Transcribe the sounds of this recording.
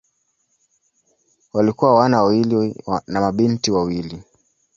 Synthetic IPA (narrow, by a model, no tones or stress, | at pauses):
walikuwawanawawilinamaɓintiwawili